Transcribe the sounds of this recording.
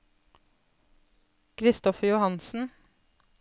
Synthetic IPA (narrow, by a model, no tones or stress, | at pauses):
kʰɾɪst̪ɔfəjʊhɑnsn̩